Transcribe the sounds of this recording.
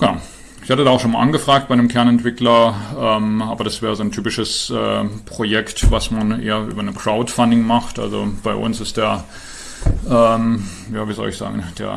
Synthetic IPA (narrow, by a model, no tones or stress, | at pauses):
ɡ̥əna̰ʊ | ɪçhatədaːaʊxʃoːnmaʔanɡəfʁ̥aːk̚t̚b̥aɪnəmkʰɛɐnɛntv̥ɪklɐʔɛːmʔaːbɐɾasv̥eːʁəzoːntʰyːpɪʃəsʔɛ̰ːpʁ̥ojɛktvasmanʔḛːɐʔy̰ːbɐnəmkʁ̥aʊtfandɪŋmaχtʔa̰lzo̰b̥aɪʔʊ̰nsɪst̚d̥eːɐ | ʔɛːm | jaːviːzɔ̰lɪçz̥a̰ːɡŋ̩d̥ḛːɐ